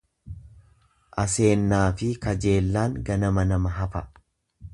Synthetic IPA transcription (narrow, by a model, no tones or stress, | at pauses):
ʔɐse̞ːnːaːfɪkɐd͡ʒe̞ːlːaːŋɡɐnɐmɐnɐmɐɦɐfɐ